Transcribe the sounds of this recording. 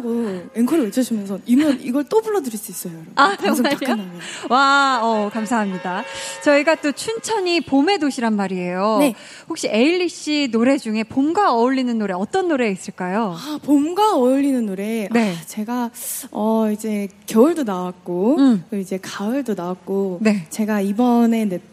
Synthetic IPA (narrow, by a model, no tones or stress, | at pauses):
ɡoenkʰʌɾɯet͡ɕʰʌɕʰimjʌnsʰʌnimʌniɡʌɭt͈obuɭːʌdɯɾiɭs͈uis͈ʌjojɾʌaaakʰnaʌwaʌkamsʰaɦamɲidat͡ɕʌiɡat͈ot͡ɕʰunt͡ɕʰʌɲipome̞doɕʰiɾanmaɾie̞jon | hokɕ͈iʔe̞iʎːiɕ͈inoɾe̞d͡ʑuŋe̞pomɡaʌuɭːinɯnːoɾe̞ʌt͈ʌnːoɾe̞is͈ɯɭk͈ajoapomɡaʌuʎːinɯnːoɾe̞ne̞t͡ɕe̞ɡaʌid͡ʑe̞kjʌɯɭdonawak̚k͈okɯid͡ʑe̞kaɯɭdonawak̚k͈one̞t͡ɕe̞ɡaibʌne̞ne